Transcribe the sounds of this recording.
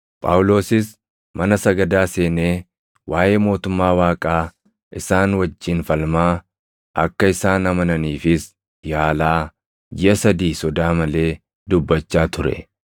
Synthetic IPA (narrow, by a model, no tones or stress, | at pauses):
pʼa̰ːwlo̞ːsɪs | mɐnɐsɐɡɐd̪aːse̞ːneː | wʔaːʔe̞ːmo̞ːt̪ʊmːaːwaːkʼaː | ʔɪsaːnwɐd͡ʒːɪnfɐlmaː | ʔɐkːɐɪsaːnɐmɐnɐniːfɪs | jaːlaː | d͡ʒɪʔɐsɐd̪iːsɔd̪aːmɐle̞ː | d̪ʊbːɐt͡ʃːaːt̪ʊɾɛ̰